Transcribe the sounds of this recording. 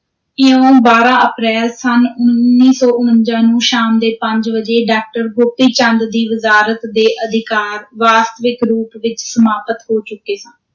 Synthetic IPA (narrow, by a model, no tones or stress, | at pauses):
ɪõːbaːɾãːʔəpɾɛːlsənʊnnːiːsɔːʔʊnənd͡ʒãːnũːʃaːmd̪eːpəɲd͡ʒʋəd͡ʒeːɖaːk̚ʈəɾɡʊpːiːt͡ʃə̃nd̪d̪iːʋəzaːɾət̪d̪eːʔəd̪ʱɪkaːɾʋaːst̪əʋɪkɾuːpʋɪt͡ʃsəmaːpət̪hoːt͡ʃʊkːeːsə̃ːn